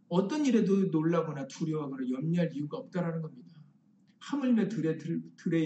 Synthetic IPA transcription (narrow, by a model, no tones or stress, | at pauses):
ʌt͈ʌniɾe̞donoɭːaɡʌnatʰuɾjʌɦaɡʌnajʌmɲiɦaɾiuɡaʌp̚t͈aɾanɯnɡʌmɲida | hamɯɭmetɯɾeɯtɯɾe̞